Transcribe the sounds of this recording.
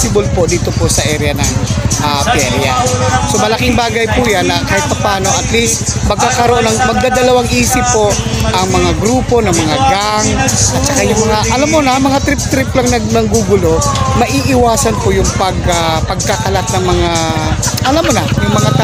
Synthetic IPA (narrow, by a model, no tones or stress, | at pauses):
sɪbolpo̞d̪iːt̪o̞posɐʔɛɾjɐnɐŋʔapɛɾjaso̞mɐlɐkɪŋbaːɡɐjpuːjanːɐkaːhɪt̪̚pɐpaːno̞ʔɐt̪list̪mɐɡ̚kaːkɐɾoʔonɐŋmɐɡ̚d̪ad̪ɐlɐwaŋʔiːsɪpːo̞ | ʔɐŋmɐŋaɡɾuːpo̞nɐŋmɐŋaɡaŋʔɐt̪t͡ʃɐkajʊŋmɐŋaʔɐlamːonɐŋmɐŋat̪ɾɪp̚t̪ɾɪplɐŋnɐɡ̚nɐɡuɡʊlo̞mɐʔiːʔɪwaːsɐnpojʊŋpɐɡapɐɡ̚kakɐlat̪̚nɐŋmɐŋaʔɐlamːonɐjʊŋmɐŋat̪a